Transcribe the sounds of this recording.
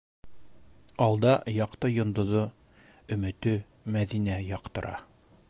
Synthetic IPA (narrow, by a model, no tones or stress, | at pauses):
ɑlˠd̪ɑjɑqt̪ɤjŏnd̪ŏðo | ɵ̆mɘ̆t̪ɵ | mæðinæjɒqt̪ɤ̆ɾʔɑ̰